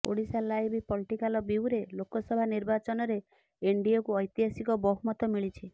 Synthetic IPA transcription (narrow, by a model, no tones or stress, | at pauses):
po̰ɽisalajbʱipɔliʈikalɔbiwɾelokɔsɔbʱaniɾbat͡ʃɔnɔɾe | eɳɖiɔkuɔjt̪iɦasikɔbɔɦumɔt̪ɔmiɭit͡ʃʰi